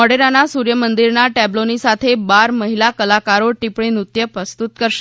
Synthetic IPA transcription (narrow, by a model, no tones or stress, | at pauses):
ɔɽeɾanːasuɾjəmənd̪iɾnaʈæblonisat̪ʰebaɾməɦilakəlakaɾoʈipɽiːnut̪jəpɾəst̪ut̪kəɾɕ